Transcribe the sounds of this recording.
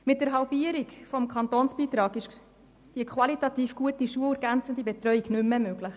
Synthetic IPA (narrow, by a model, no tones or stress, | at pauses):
mɪt̚d̥ɛɾɦɑlbiəɾikfɔmkʰχɑntoːnsb̥iːt̪ɾɑːɡɪʃ | d̥iəkʰwɑlitɑtiːfɡ̥uətiʃuəəɾɡænt͡sən̩d̪ibɛt̪rœɥiɡnʏmːəmøɡ̥ləχ